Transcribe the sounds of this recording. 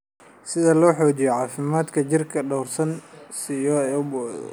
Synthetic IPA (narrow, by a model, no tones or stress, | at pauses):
sɪðɐlɔːħɔːt͡ʃɪjɔʕɑːfɪmaːd̪kʰɐt͡ʃɪrkʰɐɖɔwrsɐnsɪjɔɛjʊbɔːðɔ̰